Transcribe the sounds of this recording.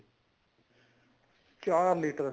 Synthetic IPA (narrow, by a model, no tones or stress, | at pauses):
t͡ʃaːɾliːʈəɾ